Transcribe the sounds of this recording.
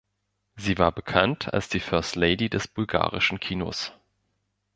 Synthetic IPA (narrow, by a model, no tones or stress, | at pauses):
ziːvaːɐbəkʰantʰa̰lsd̥iːfœɐstleɪdidɛsb̥ʊlɡa̰ːʁɪʃn̩kʰiːno̰s